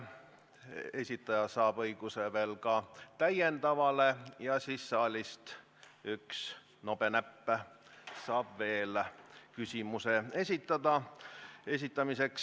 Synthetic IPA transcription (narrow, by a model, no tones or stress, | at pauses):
e̞sʲit̪ːˑɑjɑsɑːb̥ɤjɡ̥useve̞ːlkɑt̪æjend̪ɑvɑle̞jɑsisːɑːlʲist̪ | yks | no̞b̥e̞næpːæ | sɑːb̥ve̞ːlkysʲimuse̞e̞sʲit̪ːˑɑd̪̥ɑ | e̞s̬ʲit̪ːˑɑmise̞ks